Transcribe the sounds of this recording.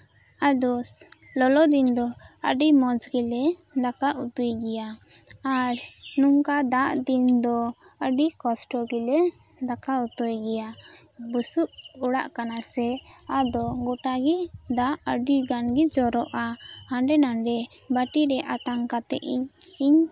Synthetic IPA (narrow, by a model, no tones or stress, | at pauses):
ad̪ɔ | lɔlɔd̪ind̪ɔ | ə̰ɖimɔd͡ʒɡilɛd̪akaʔut̪ujɡɛja | aɾnuŋkad̪aʔd̪ind̪ɔ | əɖikɔsʈɔɡilɛ | d̪akaut̪ɔjɡɛja | busuʔuɽa̰ʔkanasɛ | ad̪ɔɡɔʈaɡid̪aʔəɖiɡanɡid͡ʒɔɾɔʔaaɳɖɛnaɳɖɛ | baʈiɾɛʔat̪aŋkat̪ɛ̰ʔiɲiɲ